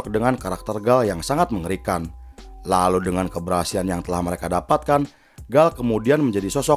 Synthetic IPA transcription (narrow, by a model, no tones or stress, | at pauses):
k̚dəŋankaɾak̚t̪ərɡaljaŋsaŋat̪̚məŋəɾikanlaludəŋankəbəɾɦasianjaŋt̪əlahməɾekadapat̪̚kan | ɡalkəmudianməɲd͡ʒadisɔsɔ